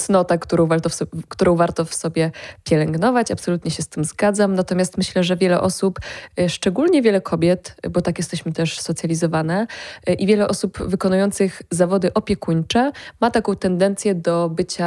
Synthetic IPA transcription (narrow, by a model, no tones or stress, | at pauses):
snɔt̪akt̪uɾɔ̃w̃vaɾt̪ɔfɔkt̪uɾɔ̃w̃vaɾt̪ɔfsɔbʲjɛpʲjɛlɛŋɡnɔvat͡ɕapsɔlut̪ɲɛɕɛst̪ɘmzɡad̪zamnat̪ɔmʲjast̪mɘɕlɛʐɛvʲjɛlɛ̰ʔɔsupʂt͡ʂɛɡulɲɛvʲɛlɛkʰɔbʲjɛt̪bɔt̪akjɛst̪ɛɕmɘt̪ɛʂsɔt̪sʲjalʲizɔvanɛʔivʲjɛlɛʔɔsupvɘkɔnujɔnt̪sɘɣzavɔd̪ɘʔɔpʲjɛkuɲt͡ʂɛmat̪akɔ̃w̃t̪ɛnd̪ɛnt̪sʲjɛd̪ɔbɘt͡ɕa